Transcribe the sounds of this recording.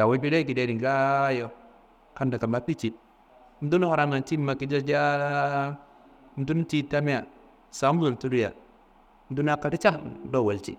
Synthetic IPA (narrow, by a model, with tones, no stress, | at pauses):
ja˨wa˦bi˦de˦ki˨de˦di˨ŋ˨ka˦jo˦ | ka˦nda˨ka˨ma˦pi˦t͡ʃi˨t̚ | m̩˦du˦n˦ha˨ɾa˦ma˨ti˦ma˨ki˦d͡ʒa˦d͡ʒa˦ | m̩˦tu˦n˦ti˦ta˦mi˦a˨ | sa˨˦mu˦wa˨ltu˦du˦ja̰˨ | m̩˨tu˦na˦ka˦ti˦t͡ʃa˦do˦˨wa˨lt͡ʃḭ˦